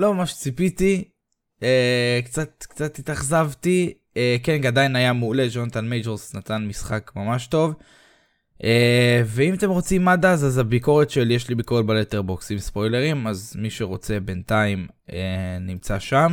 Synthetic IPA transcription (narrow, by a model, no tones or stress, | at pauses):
lo̞mamaʃt͡sipit̪i | ekt͡sat̪kt͡sat̪it̪aχzavti | ekenɡad̪ainajamuːle̞d͡ʒo̞nat̪anmejd͡ʒeʁsnat̪anmisχakmamaʃto̞v | eve̞imat̪e̞mʁo̞t͡simːadazazabiko̞ʁet̪ʃeljeʃlibiko̞ʁetbaleteʁboksimspo̞jle̞ʁimazmiʃe̞ʁo̞t͡se̞bentaim | enimt͡saʃam